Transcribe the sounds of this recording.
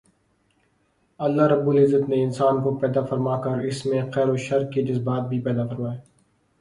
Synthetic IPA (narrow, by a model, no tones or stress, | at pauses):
ɐlːaɾɐbːʊlɪzːət̪neɪnsaːnkopɛːd̪afɐɾmakɐɾɪsmẽqɛːɾoʃɐɾkkid͡ʒɐzbaːt̪̚bʱipɛːd̪afɐɾmaːeː